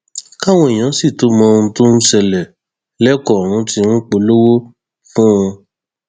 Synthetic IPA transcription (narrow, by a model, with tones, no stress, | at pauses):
ka˦w̃ɔ̃˧i˨j̃ã˨˦si˦˨to˨˦mɔ̃˨˧ũ˧to˦n̩˦sɛ˧lɛ˨ | lɛ˦kɔ˦˨ɾ̃ũ˨˦ti˧nũ˦k͡po˧˦lo˦wo˦ | fũ˦ũ˧